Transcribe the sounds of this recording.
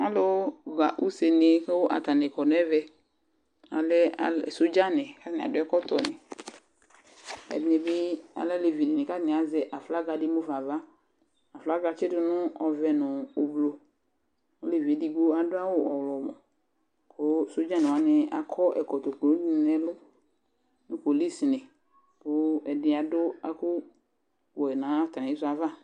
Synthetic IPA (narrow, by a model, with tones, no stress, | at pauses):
a˨˦lo˦ɡa˨ʔu˦se˨nɪ˨˦ke˦wo˦ʔa̰˨t̪a˨nɛ˨kɔ˨n˨˦ɛ˦vɛ˦ | a̰˨lɛ˦a˨so˦d͡ʒa˦nɪ˨ka˦tnɪ˨a̰˨dʊ˦ɛ˦kɔ˦t̪ɔ˨nɪ˨ | ɛ̰˨dne˨bɪ˦a̰˨lɛ˦le˨vi˨ni˨nɪ˨ka˦tnɪ˨a˨zɛ˦ʔa˨fla˦ɡa˨dɪ˦mʊ˦fa˨va˦ | a˨fla˦ɡa˧t͡ʃɪ˦dʊ˦nʊ̃˦ɔ˨vɛ˨nʊ̃ː˨blo˨ | o˦le˨vi˨e˨di˨ɡo˦a˨dʊ˦a˦wʊ˦ɔ˨wlɔ˨mɔ̃˨ | kʊ˦so˦d͡ʒã˦nɪ̃˨wa˨˦nɪ˦a̰˨kʰɔ˦ʔɛ̰˨kɔ˨t̪o˨klo˨˦dn˨nɛ˨lʊ˦ | nʊ̃˦ko˨li˦si˨nɪ̃˨ | pʊ˦ɛ˨dɪ˨a˨dʊ˦a̰˨kʊ˦ | wɛ˨nã˨˦tɾã˨i˦sʊ˦a˨va˦